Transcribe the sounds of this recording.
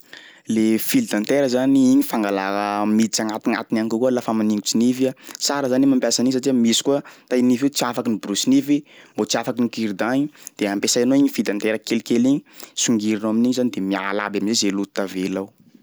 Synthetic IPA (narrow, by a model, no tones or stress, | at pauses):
lefild̪ant̪eɾəzaniiɲifaŋɡalaəmit͡saŋat̪inat̪inanikukuəlafamaniŋɡusinifasaɾəzanemampʲjasanisaʈ͡ʂiamisi̥kuat̪ainifet͡siafakinibuɾusinifimbot͡siafakinikiɾd̪aɲid̪̥eampesajanoiɲifild̪ant̪eɾəkelkeliɲi̥suŋɡiɾinoaminiɲizanid̪emia̰la̰baminzezelut̪avelaw